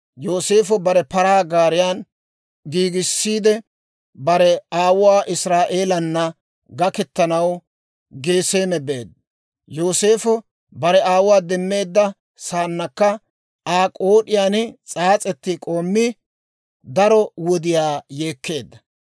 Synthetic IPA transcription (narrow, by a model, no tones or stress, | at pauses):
jo̞ːse̞ːfɔbɐɾɛpɐɾaːɡaːɾɪjaːn | ɡiːɡɪsːiːd̪ɛ | bɐɾɛaːwʊwaːʔɪsɾaːʔe̞ːlɐnːɐ | ɡɐkɛt̪ːɐnɐw | ɡe̞ːse̞ːmɛbe̞ːd̪ːɐ | jo̞ːse̞ːfɔ | bɐɾɛaːwʊwaːd̪ɛmːe̞ːd̪ːɐ | saːnːɐkːɐ | ʔaːkʼoːɗɪjaːnt͡sʼaːt͡sʼɛt̪ːɪkʼo̞ːmːɪ | d̪ɐɾɔwɔd̪ɪjaːjeːkːe̞ːd̪ːɐ